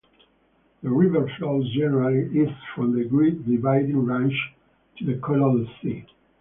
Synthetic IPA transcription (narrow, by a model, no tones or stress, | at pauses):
ðəɹivə˞flɔzd͡ʒɛnəɹaliizfɹɔ̃mðəɡɹik̚divaɪdĩŋɹæ̃nt͡ʃ | tʰuðəkʰɔlɔ̃nsi